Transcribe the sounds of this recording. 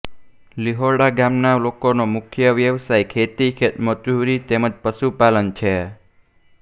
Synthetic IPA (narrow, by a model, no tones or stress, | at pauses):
liɦoɾɖaɡamnalokonomʊkʰjəʋjəʋsajkʰet̪ikʰet̪məd͡ʒuɾit̪eməd͡ʒpəʃupalənt͡ʃʰe